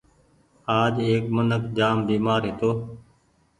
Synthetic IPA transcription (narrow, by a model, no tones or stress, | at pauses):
aːd͡ʒeːk̚mənəkʰd͡ʒaːmbiːmaːɾɦɪt̪oː